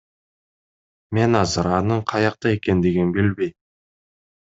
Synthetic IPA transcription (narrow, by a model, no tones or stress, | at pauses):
me̞nɑzəɾɑnəɴqʰɑjɑq̚t̪ɑe̞kʲe̞nd̪e̞ɡʲenbɵlbej̪